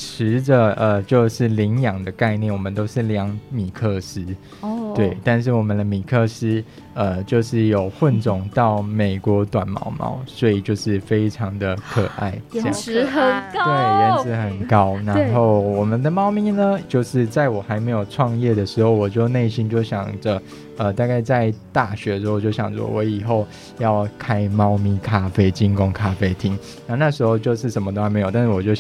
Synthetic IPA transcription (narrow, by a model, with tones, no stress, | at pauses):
ʈ͡ʂʰɻ̩˧˥d͡ʒə˨˧ə˨t͡ɕjo˥˧ʊʂɻ̩˥˩li˧˥ŋjɑ˨˩ŋd̪ə˦ka˥˧ɪnjɛ˥˩˨nwɔ˨˩mə˦nt̪o˥ʊʂɻ̩˥˩ljɑ˧˥ŋmi˨˩kʰɤ˥˩ʂɹ̩˥ | t̪we˥˩ɪt̪a˥˧nʂ̬ɻ̩˥˩wɔ˨˩mə˦nd̪ə˧mi˨˩kʰɤ˥˧˩s̩˥ | ə˧t͡ɕjo˥˧ʊʂɻ̩˥˩jo˨˩ʊxwə˥˨nt͡sʊ˨˩ŋt̪ɑ˥˩ʊme˨˩ɪkwɔ˧˥t̪wa˨˩nmɑ̰˧˥ʊmɑ̰˨˥ʊswɔ˧˥i˨˩t͡ɕjo˥˧ʊʂɻ̩˥˩fe˥ɪʈ͡ʂʰɑ˧˥ŋd̪ə˧kʰɤ˨˩ʔa̰˥˩ɪt͡ɕj̰t̪we˥˩ɪjɛ˧˥sɹ̩˧˥xə˨˩nkɑ˦˥ʊna˧n˧xo˥˩ʊwɔ˨˩mə˦nd̪ə˨mɑ˥ʊmi˧˥nə˧t͡ɕjo˥˧ʊʂɻ̩˥˧t͡sa˥˩ɪwɔ˨˩xa˧˥ɪme˧˥jo˨˩ʊʈ͡ʂʰwɑ˥˧ŋjɛ˥˩d̪ə˩ʂɻ̩˧˥xo˥˧ʊwɔ˨˩t͡ɕjo˥˧ʊne˥˩ɪɕi˦nt͡ɕjo˥˩ʊɕjɑ̰˨˩ŋd͡zə˨˦ | ə˨t̪a˥˧ka˥˧ɪt͡sa˥˧ɪt̪a˥˩ɕɥɛ˧˥˧ʂ̩˧˥˧t͡ɕjo˥˩ʊɕjɑ̰˨˩ŋt͡sɔ̰˧˩wɔ˧˥i˨˩xo˥˩ʊ | jɑ˥˩ʊkʰa˥ɪmɑ˥ʊmi˥kʰa˦fe˥ɪt͡ɕi˥ŋko˥ŋkʰa˦fe˥ɪt̪ʰi˥ŋna˨˥˧na˥˩ʂɻ̩˧˥xo˥˧ʊt͡ɕjo˥˧ʊʂɻ̩˥˩ʂə˧˥nmə˧t̪o˥˧xm˧˥jo˨˩t̪ʂ̩˥˩wɔ˨˩t͡ɕjo˥˩ʊ